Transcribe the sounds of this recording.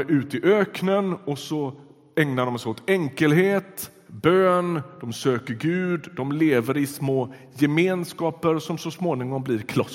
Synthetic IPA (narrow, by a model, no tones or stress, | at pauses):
ʔʉ̟ːt̪ɪʔøːknənɔsɔ | ɛŋnaɖɔmsɛɪot̪ɛŋkəlɦeːt̪ | bøːnd̪̥ɔmsøːkəɾɡʉ̟ːd̪d̪ɔmleːvəɾɪsmoː | jɛmeːnskɑːpəɾsɔmsɔsmoːnɪŋɔmbliɾkʰlɔ